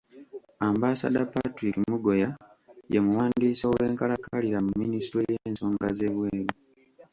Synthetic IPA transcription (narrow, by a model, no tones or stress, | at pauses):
ambasa̰dapːatɾikimuɡo̞ja | jemuwaːndiːsowe̞ːŋkalakaliɾamumːinisitɾojeːnso̞ːŋɡaze̞βweːɾu